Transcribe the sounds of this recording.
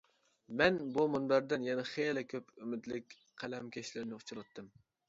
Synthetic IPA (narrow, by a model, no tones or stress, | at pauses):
mɛnbumunbæɾd̪ɪnjɛnɛχeːlɪkʲʰøpymɪd̪lɪkʲ | qʰælɛmkʲʰeʃlɪɾnɪut͡ʃʰuɾɑt̪ʰːɨm